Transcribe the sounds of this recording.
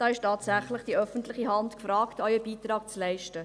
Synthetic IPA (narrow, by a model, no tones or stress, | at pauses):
d̥ɑːɪʃtɑːtsæχlɪχd̥iœfəntlɪχiɦɑntkfrɑːktɔʏəbiːt̪rɑːk̚t͡slɛɪʃtə